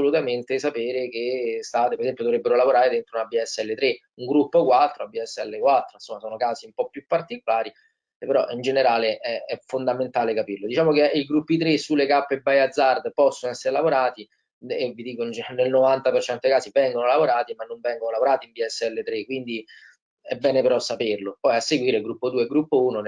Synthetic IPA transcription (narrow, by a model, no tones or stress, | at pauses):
olut̪ament̪esapeːɾek̟est̪aːt̪epeɾezɛmpjod̪ovɾebːeɾolavoɾaːɾed̪ent̪ɾounabiɛsːɛlːet̪ɾe | uŋɡɾupːokwat̪ːɾoabiɛsːɛlːekwat̪ːɾoinsomːasoːnokaːziumpɔpːjupːart̪ikolaːɾi | peɾɔ̰ʔind͡ʒeneɾaːleʔɛɛfːond̪ament̪aːlekapirlod̪it͡ʃaːmok̟eiɡɾupːit̪ɾesulːekapːebːajad̪zːard̪pɔsːonoɛsːeɾelavoɾaːt̪i | evid̪iːkonnelnovant̪apert͡ʃɛnt̪od̪ekaːsivɛŋɡonolavoɾaːt̪imanːoɱvɛŋɡonolavoɾaːt̪imbiɛsːɛlːet̪ɾekwind̪i | ɛbːɛːnepeɾɔsːaperlopɔjasːeɡwiːɾeɡɾupːod̪uːeɡɾupːouːnon